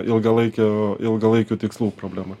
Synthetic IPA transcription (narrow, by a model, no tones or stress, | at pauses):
ʔɪlˠɡɐlˠɐɪkʲɛɪlˠɡɐlˠɐɪkʲuːt̪ʲɪkslˠuːpɾoːblʲæːmɐ